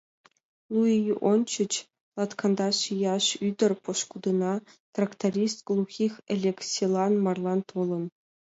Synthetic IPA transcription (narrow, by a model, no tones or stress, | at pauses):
lˠuijuʔont͡ɕɘ̆t͡ɕ | lˠɑt̪kɑnd̪ɑʂijɑʂyd̪ʲɘ̆rʲpŏʂkud̪ɤ̆nɑ | t̪rakt̪arʲist̪̚ɡlˠuxʲixelʲeksʲilˠɑnmɑrlˠɑnt̪ʰolʲˠɤ̆n